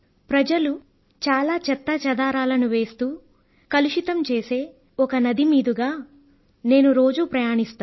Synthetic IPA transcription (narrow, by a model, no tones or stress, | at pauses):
pɾɐd͡ʒɐlu | t͡ʃaːlaːt͡ʃɛt̪ːɐt͡ʃɐd̪aːɾaːlɐnuʋe̞ːst̪uː | kɐluʃit̪ɐmt͡ʃe̞ːse̞ː | ɔkɐnɐd̪imiːd̪uɡaː | ne̞ːnuɾo̞ːd͡ʒupɾɐjaːɳist̪aː